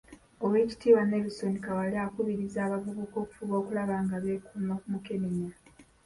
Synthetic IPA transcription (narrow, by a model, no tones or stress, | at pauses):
oweːci̥tiːwanelusonikawaliakuβiɾizaːβavuɡuko̞ːku̥fuβo̞ːkulaβaːŋɡaβeːkumokumukeniɲa